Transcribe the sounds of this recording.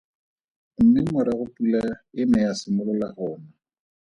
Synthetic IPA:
m̩mɪŋwaɾaɣʊpʼulaɪmɛasɪmʊlʊlaɣɔːna

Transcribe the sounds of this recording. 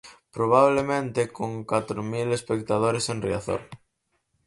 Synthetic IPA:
pɾoβ̞aβ̞lemẽnt̪ekoŋkwat̪ɾomilespekt̪að̞oɾesẽnriaθo̰ɾ

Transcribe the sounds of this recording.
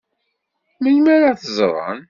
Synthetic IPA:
məlmæɾaθəzˤɾˤə̰n

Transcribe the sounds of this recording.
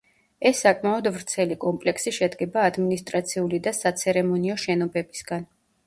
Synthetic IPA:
ɛsːakʼmaɔd̪vɾt̪sʰɛlikʼɔmpʼlɛksiʃɛd̪ɡɛbaːd̪minist̪ʼɾat̪sʰiulid̪asat̪sʰɛɾɛmɔniɔʃɛnɔbɛbisɡan

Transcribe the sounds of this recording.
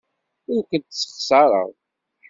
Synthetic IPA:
ʊɾkʷənt̪sːə̥χsˤɑɾˤə̰ʁ

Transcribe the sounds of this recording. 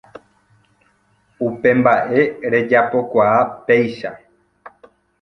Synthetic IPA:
upẽ̞mbaʔe̞ɾe̞d͡ʒapo̞kʷaape̞jʃa

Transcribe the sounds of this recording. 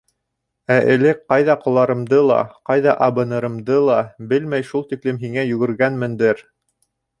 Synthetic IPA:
æʔɘ̆lɘk̚qɑjðɑqŏlˠɑɾɤ̆md̪ɤlˠɑ̰qɑjðɑʔɑβɤ̆nɤ̆ɾɤ̆md̪ɤlˠɑbɘlmæjʃulˠt̪iklɘmɦiŋæjɵ̆ɡɘ̆ɾɡænmɘ̆nd̪ɘɾ

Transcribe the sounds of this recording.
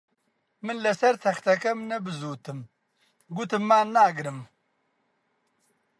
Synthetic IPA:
mɨnlɐsɐɾt̪ʰɐxt̪ʰɐkɐmnɐbɨzuːt̪ʰɨm | ɡut̪ɨmːanːaːɡɾɨm

